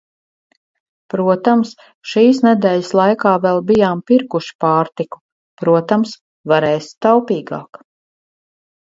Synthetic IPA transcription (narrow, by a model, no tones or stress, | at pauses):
pɾuɔt̪ams | ʃiːsnɛd̪ɛːʎɪslˠajkaːvɛlˠbijaːmpiɾkuʃi̥pɑːɾt̪iku̥ | pɾuɔt̪ams | vaɾɛːst̪awpiːɡa̰ːk